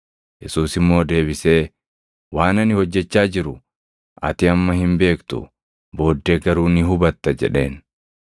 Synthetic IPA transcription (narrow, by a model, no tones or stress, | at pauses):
jɛsuːsɪmːo̞ːd̪e̞ːbɪse̞ː | waːnɐnɪhɔd͡ʒːɛt͡ʃːaːd͡ʒɪɾʊ | ʔɐ̰t̪ɪɐmːɐhɪmbe̞ːkt̪ʊ̰ | bo̞ːd̪ːeːɡɐɾuːnɪɦʊbɐt̪ːɐd͡ʒɛ̰ᶑe̞ːn